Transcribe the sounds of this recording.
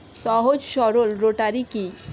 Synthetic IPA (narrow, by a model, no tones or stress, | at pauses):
sɔɦod͡ʒʃɔɾolɾoʈaɾiki